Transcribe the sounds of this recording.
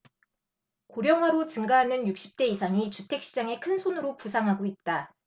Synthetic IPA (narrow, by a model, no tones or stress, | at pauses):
koɾjʌŋwaɾot͡ɕɯŋɡaɦanɯnjuk̚ɕ͈i̥p̚t͈e̞isʰaŋit͡ɕutʰe̞k̚ɕ͈id͡ʑaŋe̞kʰɯnsʰonɯɾopusʰaŋɦaɡoit̚t͈a